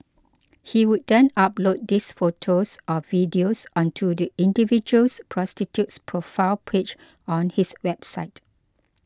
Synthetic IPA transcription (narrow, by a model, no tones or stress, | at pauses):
hiwut̚dɛ̃nap̚lot̚disfotʰosʔɔvidiosʔɔ̃ntʰudiĩndivid͡ʒuəlspʰɹɔstitjutspʰɹofaɪlpʰet͡ʃ | ɔ̃nhiswɛbsaɪt